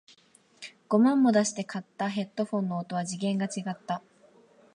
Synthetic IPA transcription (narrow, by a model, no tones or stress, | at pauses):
ɡ̥o̞mãmːo̞d̪aɕi̥t̪e̞kʰat̪ːaɦe̞t̪ːo̞ɸõ̞nːo̞ːt̪o̞β̞aʑiɡẽ̞ŋɡat͡ɕiɡat̪ːa